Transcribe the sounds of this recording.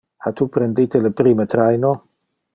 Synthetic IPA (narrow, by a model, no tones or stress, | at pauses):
ħat̪uːpɾɛnd̪ijt̪elepɾiːmet̪ɾajno